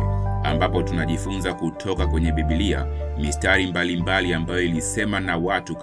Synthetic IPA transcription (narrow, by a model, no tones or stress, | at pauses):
a̰mbapɔtunaʄifunzakutʰɔkakwɛɲɛɓiɓilia̰mistaɾimbalimbaliambajɔilisɛmanawatuk